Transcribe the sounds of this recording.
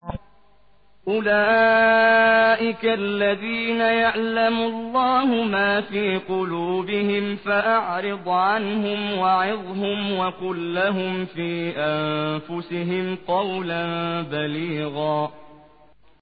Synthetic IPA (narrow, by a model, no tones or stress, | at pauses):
ʔʊlaː | ʔɪkaʔlːaðiːnajaʕlamʊlˤːɑːhʊmaːfiːqʊluːbɪhɪmfaʔaʕɾɨd̪ˤʕanɦʊmwaʕɪðˤɦʊmwakʊlːaɦʊmfiːʔanfʊsɪɦɪmt̪ɑwlanbaliːɣaː